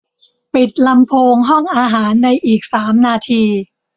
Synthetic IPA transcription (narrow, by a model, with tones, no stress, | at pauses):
pi˨˩t̪̚la˧mpʰoː˧ŋɦɔ˥˩ŋʔaː˧ɦaː˩˦nːa˧jʔiː˨˩k̚saː˩˦mnaː˧t̪ʰiː˧